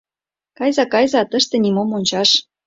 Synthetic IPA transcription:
kɑjzɑkɑjzɑt̪əʃt̪ĕnimomonʲt͡ɕɑʃ

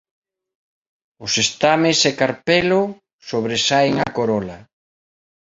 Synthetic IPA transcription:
ʊsest̪amɪsekaɾpelʊ | soβ̞ɾesaeŋa̰koɾɔla

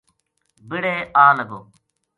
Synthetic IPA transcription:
bɪɽeːaːnəɡoː

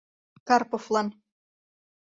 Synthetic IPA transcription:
kɑrpoflˠɑn

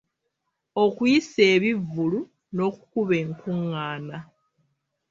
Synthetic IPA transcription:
okwiseːβivːulu | no̞ku̥kuβe̞ŋkuŋːaːna

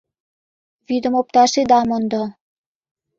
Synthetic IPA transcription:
βid̪ə̆mop̚t̪ɑʃed̪ɑmŏnd̪ɤ̆

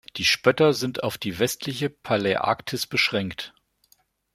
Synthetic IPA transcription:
d̥iːʃpœtɐzɪntaʊfd̥iːvɛstʰlɪçəpʰaleʔa̰ːktʰɪsb̥əʃʁ̥ɛŋkt

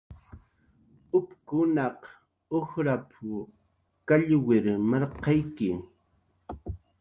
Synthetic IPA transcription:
ʊpkʊnɑq | ohɾapʰʊ | kaʎwɪɾmɑɾqɑjkɪ

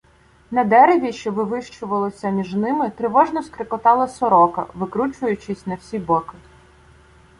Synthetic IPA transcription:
nɐd̪ɛɾeʋʲiʃt͡ʃɔʋɪʋɪʃt͡ʃʊʋɐlˠɔsʲɐmʲiʒnɪmɪt̪ɾɪʋɔʒnɔskɾɪkɔt̪ɑlˠɐsɔɾɔkɐ̰ʋɪkɾut͡ʃʊjʊt͡ʃɪsʲnɐwsʲibɔkɪ

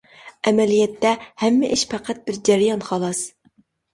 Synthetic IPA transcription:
ɛmɛlijɛt̪ʰːɛhɛmːɪʔɪʃpʰæqʰæt̪̚bɪɾd͡ʒɛɾɪjɑnχɑlˠɑs

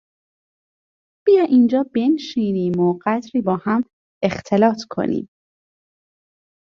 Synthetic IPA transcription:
b̥ijɒːʔind͡ʒɒːbe̞nʃiːniːmoɢæd̪ɾiːbɒːhæm | ext̪ʰe̞lɒːt̪ʰkʰo̞̰nḭːm

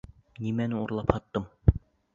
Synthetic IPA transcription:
nimænɪuɾlˠɑphɑt̪ːɤm

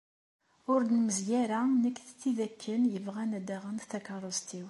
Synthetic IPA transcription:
ʊɾd̪nməzjæɾænəkːθt͡sːiðækːənjəvʁænæd̪æʁənd̪θækɑɾˤost̪iw

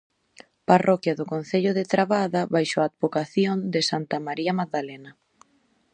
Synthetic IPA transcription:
parɔkjɐðʊkon̟θeʎʊðɪt̪ɾaβaðaβajʃoad̪̚βokaθjond̪ɪsant̪amaɾiɐmaðalɛnɐ

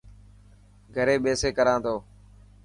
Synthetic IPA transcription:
ɡʱəɾeːɓeːseːkəɾãːt̪oː

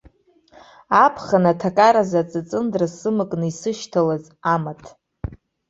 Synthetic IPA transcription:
apʰχanatʰakʼaɾazat͡sʼɨt͡sʼɨndrasɨmɨkʼnɨisɨʃtʰalaz | amatʰʼ

